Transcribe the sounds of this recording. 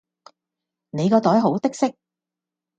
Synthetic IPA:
ne˨˧jkɔː˧t̪ɔː˨˥jɦo˨˥wt̪ɪ˥k̚sɪ˥k̚

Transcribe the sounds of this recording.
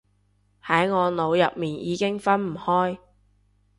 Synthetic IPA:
hɐ˨˥jŋɔː˨˧no˨˧wjɐ˨p̚miː˨njiː˨˧kɪ˥ŋfɐ˥nm̩˨˩hɔː˥j

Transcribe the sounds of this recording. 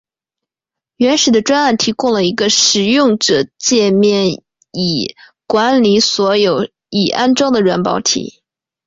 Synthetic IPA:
ɥɛ˧˥nʂɻ̩˨˩d̪ə˦ʈ͡ʂwa˥na˥˩nt̪ʰi˧˥kʊ˥ŋlə˨˩i˧˥ɡə˧ʂɻ̩˨˩jʊ˥˩˧ŋʈ͡ʂɤ˨˩t͡ɕjɛ˥˧mjɛ˥˩n | i˨˩ | kwa˧˥nli˧˥swɔ˧˥jo˨˩˦ʊ | i˨˩ʔa˥nʈ͡ʂɑ˥ŋd̪ə˨ɻwa˧˥npɑ̰˧˥ʊt̪ʰḭ˨˩˦

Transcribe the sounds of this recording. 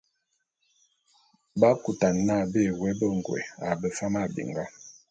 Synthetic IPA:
ba˦ku˨ta˨nːa˦˨be˦˨wɛ˦bə˦ŋ˨ɡwɛ̰˨a˨bə˨fa˦ma˦˨bḭ˨ŋɡa˦

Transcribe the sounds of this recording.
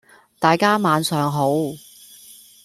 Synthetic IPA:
t̪aː˨jkaː˥maː˨˧nsœː˨ŋɦo˨˥w

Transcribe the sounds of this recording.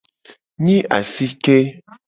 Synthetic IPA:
ɲĩ˦ʔa̰˨si˦ke˦

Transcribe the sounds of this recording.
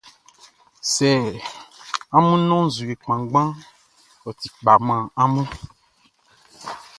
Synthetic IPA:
sɛ˨ | a˦mũ˦nɔ̃˦zu˨e˨k͡pã˨ɡ͡bã˦ | ɔ˨t̪i˨k͡pa˨mã˨a˦mũ˦

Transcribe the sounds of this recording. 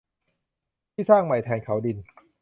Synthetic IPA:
t̪ʰiː˥˩saː˥˩ŋma˨˩jt̪ʰɛː˧nkʰa˩˦wdi˧n

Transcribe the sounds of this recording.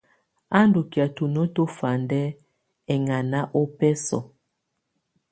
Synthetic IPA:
a˦ndu˨ki˨a˨tu˨nɔ˦to˦fa˨ndɛ˦ | ɛ˨ŋa˨na˦ʔo˦pɛ˦sɔ̰˨

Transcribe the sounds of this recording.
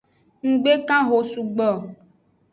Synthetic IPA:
ŋ̩˨ɡ͡be˦kã˦ɦo˨su˨ɡ͡bɔ˨

